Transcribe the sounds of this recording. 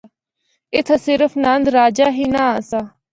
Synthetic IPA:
ɪt̪ʰəsɪɾəfʰnãnd̪ɾaːd͡ʒaːɦiːnãːaːsaː

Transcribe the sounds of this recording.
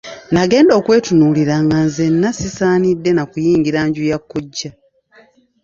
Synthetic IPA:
naɡe̞ːndo̞ːkwe̞ːtunuːliɾaːŋɡanzenːasisaːnidːe̞nakujiːŋɡiɾaɲɟujakːuɟːa

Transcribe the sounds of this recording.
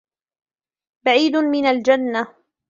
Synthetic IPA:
baʕiːd̪mɪnald͡ʒanːa

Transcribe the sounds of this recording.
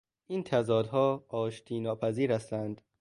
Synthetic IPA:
ʔint̪ʰæzɒːd̪ɦɒːɒːʃt̪ʰiːnɒːpʰæziːɾhæst̪ænd̪

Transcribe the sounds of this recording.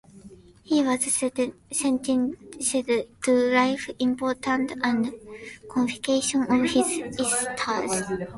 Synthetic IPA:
hiwʌzsɛsɛ̃ntĩnʃɛdtulaɪfĩmpʰoɹtʰə̃ntãndkʰɔ̃nfikeʃɔ̃nɔvhizistʰa

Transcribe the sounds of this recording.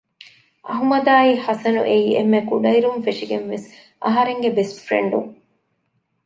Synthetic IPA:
ʔɐɦumɐd̪aːiːhɐsɐnṵʔeiːemːekuɖɐiɾumfeʂiɡenʋes | ɐ̰ɦɐɾeŋɡebesfɾḛɳɖuŋ

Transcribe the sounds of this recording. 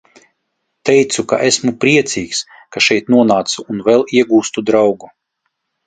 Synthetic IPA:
t̪ɛjt̪suka̰ʔesmupɾiɛt̪siːks | kaʃɛjt̪nuɔnaːt̪suːnvɛlˠiɛɡuːst̪ud̪ɾawɡu

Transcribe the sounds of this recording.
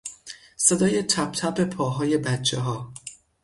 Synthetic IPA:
sed̪ɒːje̞t̪ʰæb̚t̪ʰæbe̞pʰɒːɦɒːje̞bæt͡ʃʰːeɦɒː

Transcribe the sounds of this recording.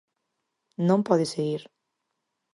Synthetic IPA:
nõmpɔðɪseɣiɾ

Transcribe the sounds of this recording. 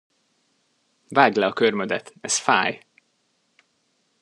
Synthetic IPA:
vaːɡlɛɒkørmød̪ɛt̪ɛsfaːj

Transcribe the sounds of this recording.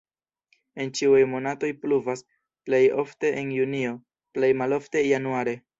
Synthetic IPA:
e̞nt͡ʃiuajmo̞nato̞jpluvas | ple̞jo̞̰fte̞ʔenjunio̞ | plejmalo̞fte̞januaɾe̞

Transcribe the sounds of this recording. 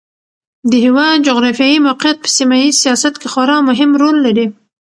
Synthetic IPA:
d̪əɦewɑd̪d͡ʒʊɣɾɑfjɑjimawqɪjat̪̚pə̥simajizsijɑsat̪kexɑɾɑmʊɦɪmɾolːaɾi

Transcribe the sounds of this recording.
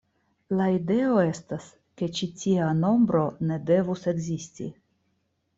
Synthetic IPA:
laide̞o̞e̞stas | ke̞t͡ʃitiano̞mbɾo̞ne̞de̞vuse̞ɡzistḭ

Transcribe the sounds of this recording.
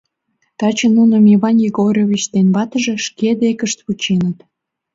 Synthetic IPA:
t̪ɑt͡ɕə̆nːunŏmiβɑnjeɡoɾʲoβʲit͡ɕd̪enβɑt̪əʒĕʃked̪ekəʃt̪βut͡ɕenət̪

